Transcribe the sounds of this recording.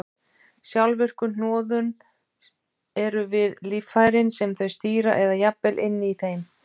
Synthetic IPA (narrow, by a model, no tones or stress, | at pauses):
sjawlvʏr̥kʏnɔːðʏn | ɛɾʏvɪðliːfaːjɾɪnsɛmθœɥst̪iːɾa̰ʔɛðajapːɛlʔɪnːɪiθejm